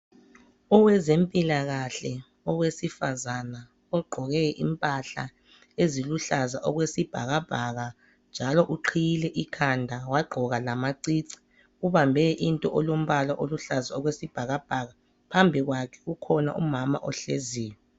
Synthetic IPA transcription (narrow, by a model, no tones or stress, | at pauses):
ɔwɛzempʼilaɣaɬɛ | ɔwesifazana | ɔɡ͡ǃʱɔɣɛʔimpʼaɬa̰ | eziluɬazaʔɔɣwesib̥ʱaɣab̥ʱaɣa | nd͡ʒʱalɔʔuǃʰijilɛʔikʰandʱawaɡ͡ǃʱɔɣalamaǀiǀi̥ | uβambʱɛʔintʼɔʔɔlom̩βalaʔoluɬazaɔɣwesib̥ʱaɣab̥ʱaɣa | pʰambʱiɣwakʰɛ̥ɣukʰɔna̰ʔṵmama̰ʔɔɬḛziːwɛ